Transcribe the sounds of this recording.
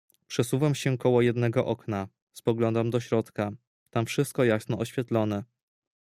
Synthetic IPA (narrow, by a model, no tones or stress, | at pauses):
pʂɛsuvamɕɛkɔwɔjɛd̪nɛɡɔʔɔkna | spɔɡlɔnd̪amd̪ɔɕɾɔt̪ka | t̪amfʂɘst̪̚kɔjasnɔʔɔɕfʲjɛt̪lɔnɛ